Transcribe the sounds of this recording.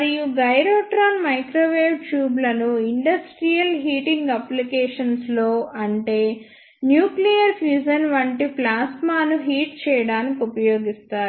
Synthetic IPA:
mɐɾijuɡɐjɾoːʈɾaːnmɐjkɾoːʋeːʋt͡ʃjuːblɐnuiɳɖɐsʈɾijɐlɦiːʈiŋɡɐplikeːʂɐnslo̞ːʔɐɳʈe̞ː | njuːklijɐɾpʰjuːd͡ʒɐnʋɐɳʈiplaːsmaːnuɦiːʈ̚t͡ʃɛːjɐɽaːnikiupɐjoːɡist̪aːɾu

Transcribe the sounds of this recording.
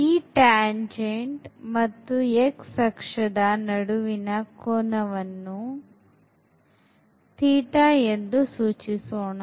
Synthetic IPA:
iːʈaːɲd͡ʒeɳʈmɐt̪ːueksɐkʂɐd̪ɐnɐɽuʋinɐkɔːnɐʋɐnːu | t̪iːʈaend̪usuːt͡ʃisoːɳɐ

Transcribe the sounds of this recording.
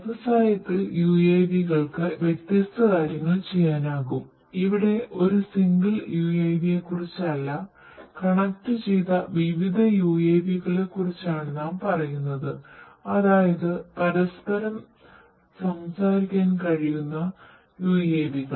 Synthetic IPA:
ɐʋɐsaːjɐt̪ːiljuːeːʋiɣɐɭkɨʋjek̚t̪jɐst̪ɐkaːɾjɐŋːɐɭt͡ɕe̞jːaːnaːɣum | iʋiɽe̞ʔo̞ɾusiŋɡɐɭjuːeːbije̞kːurit͡ɕːɐlːɐ | kɐɳɐk̚tːɨt͡ɕejt̪ɐʋiʋid̪ʱɐjuːeːʋiɣɐɭe̞kːurit͡ɕːaːɳɨnaːmpɐrɐjunːɐðɨɐðaːjɐðɨpɐɾɐspɐɾɐm | sɐmsaːɾikʲːaːnkɐɻijunːɐ | juːjeːbiɣɐɭ

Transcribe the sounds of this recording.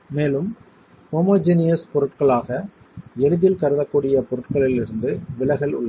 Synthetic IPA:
meːlɯm | hoːmoːd͡ʒɪnɪjɐspɔɾɯʈkɐɭaːɣɐ | ɛɻɯðɪlkɐɾɯðɐkːuːɽɪjɐpɔɾɯʈkɐɭɪlɪɾɯnd̪ɯʋɪlɐɣɐɭʊ̰ɭːɐ

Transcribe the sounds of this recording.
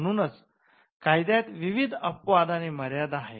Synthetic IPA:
nuːnət͡s | kajd̪jat̪ʋiʋid̪ʱəpʋad̪aneməɾjad̪aɦḛ

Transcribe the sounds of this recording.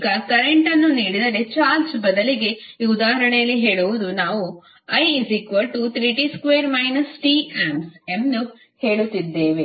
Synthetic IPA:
ɡɐkɐɾeɳʈɐnːuniːɽid̪ɐɾe̞t͡ʃaːlsbɐd̪ɐliɡe̞iud̪aːɦɐɾɐɳɛjɐlːiɦe̞ːɭuʋud̪unaːʋu | ɐjisikʋɐlʈut̪ɾiːʈiskʋeːɾmɐjnɐsʈiːaːmsemnu | he̞ːɭut̪ːid̪ːeːʋe

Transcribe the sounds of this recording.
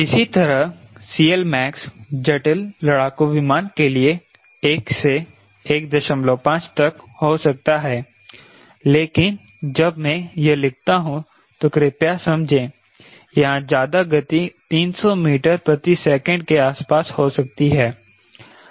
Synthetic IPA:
ɪsit̪ɐɾəɦsiːəlmɛːksd͡ʒɐʈəlːɐɽaːkoʋɪmaːnkelie | eːkse | eːk̚d̪ɐʃə̃mloːpãːt͡ʃt̪ɐkɦosɐk̚t̪aɦɛː | leːkɪn | d͡ʒɐbmɛ̃jɐlɪɡ̚t̪aɦũ | t̪okɾeːpjasɐ̃md͡ʒʱẽː | jɐɦãd͡ʒjaːd̪aɡɐt̪it̪iːnsɔmiːʈəɾpɾɐt̪isɛːkə̃ɳɖkeaːspaːshoːsɐk̚t̪iɦɛː

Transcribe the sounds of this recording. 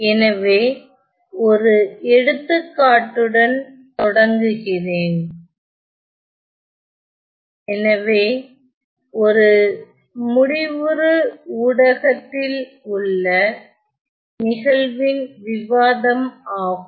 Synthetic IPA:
ɛnɐʋeː | ɔɾɯɛɽɯt̪ːɯkːaːʈːɯɽɐnt̪ɔɽɐŋɡɯɣɪreːn | ɛnɐʋeː | ɔɾɯ | mʊɽɪʋɯɾɯuːɽɐɣɐt̪ːɪl | ʊɭːɐ | nɪɣɐɭʋɪnʋɪʋaːðɐmaːɣɯ

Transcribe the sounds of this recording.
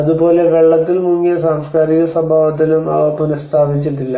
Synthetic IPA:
ɐðupo̞ːle̞ʋe̞ɭːɐt̪ːilmuŋːijɐsaːmskaːɾiɣɐsɐbʱaːʋɐt̪̬ːilumɐ̰ʋɐpːunɐst̪ʰaːʋit͡ɕːiʈːilːɐ

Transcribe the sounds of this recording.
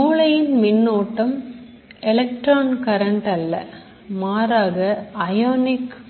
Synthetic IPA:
uːɭɐjɪnmɪnːoːʈːɐm | ɛlɐk̚ʈɾaːnkɐɾɐɳʈɐlːɐ̰ | maːɾaːɣɐɐjoːnɪk

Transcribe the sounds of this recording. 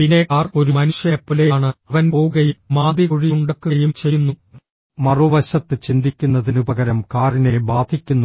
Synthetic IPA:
pinekaːro̞ɾumɐnuʂjɐpːilejaːɳɨɐʋɐnpoːuɡɐjummaːd̪iɣuɻijuɳɖɐkːɨjumt͡ɕejunːu | mɐruʋɐɕɐt̪ːɨt͡ɕind̪ikʲːunːɐðinubɐɣɐɾɐmkaːrine̞baːd̪ʱikʲːunːu

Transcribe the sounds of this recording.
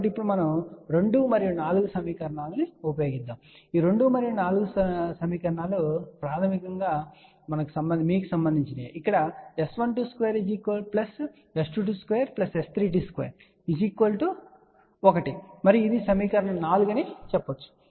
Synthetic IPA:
ʈipːuɽumɐnɐmɾeɳɖumɐɾijunaːluɡusɐmiːkɐɾɐɳaːlɐniopɐjo̞ːɡid̪ːaːm | iːɾe̞ɳɖumɐɾijunaːluɡussɐmiːkɐɾɐɳaːlupɾaːt̪ʰɐmikɐŋɡaː | mɐnɐku̥sɐmbɐnmiːk̬usɐmbɐnd̪iɲt͡ʃinḛʔikːɐɽɐesʋɐnʈuːskʋeːɾid͡ʒiːkʋelplɐs | esʈuʈ̬uskʋeːɐɾplɐsest̪ʰɾiːʈ̬iskʋḛːɐɾ | id͡ʒiːkʋɐlʈu | ɔkɐʈimɐɾijid̪isɐmiːkɐɾɐɳɐmnaːluɡɐnit͡ʃɛpːɐt͡ʃːu̥

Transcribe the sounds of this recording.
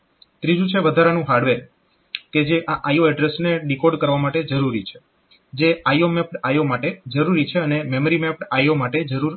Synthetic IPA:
t̪ɾid͡ʒũt͡ʃʰeʋəd̪ʱaɾanũɦaɾɖʋeɾ | ked͡ʒeʔaʔajoɛɖɾesneɖikoɖkəɾʋamaʈed͡ʒəɾuɾit͡ʃʰe̥ | d͡ʒeajomɛpɽajomaʈed͡ʒəɾuɾit͡ʃʰeənememəɾimɛpɽajomaʈed͡ʒəɾuɾ

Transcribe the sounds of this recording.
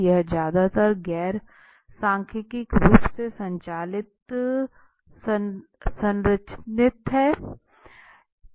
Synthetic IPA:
jɐɦd͡ʒjaːd̪at̪əɾɡɛːɾ | sãːŋkʰɪkɪkɾuːpsesɐ̃ɲt͡ʃaːlɪt̪ | sə̃nɾət͡ʃʰnɪt̪ɦɛː

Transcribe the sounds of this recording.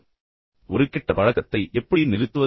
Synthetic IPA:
ɔɾɯkːɪʈːɐpɐɻɐɣɐt̪ːɐɪʔɛpːɐɽijnɪlɪt̪ːɯʋɐ

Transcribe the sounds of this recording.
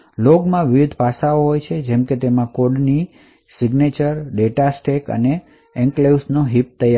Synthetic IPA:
loɡmãʋɪʋɪd̪ʱpasaoɦojt͡ʃʰed͡ʒɛmket̪emãkoɖni | sɪɡnet͡ʃəɾɖeʈasʈekə̰ne | ɛ̃ŋkleusnoɦip̚t̪əja

